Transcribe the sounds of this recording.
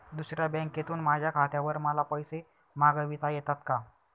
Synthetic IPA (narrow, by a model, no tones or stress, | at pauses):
d̪usɾjabɛ̃ŋket̪uːnmad͡ʑʱjakʰat̪jaʋəɾməlapəjse | maɡəʋit̪ajɛt̪at̪ka